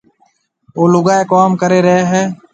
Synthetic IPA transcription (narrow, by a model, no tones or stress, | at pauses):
oːlʊɡaːeːkoːmkəɾeːɾəɦeːɦɛː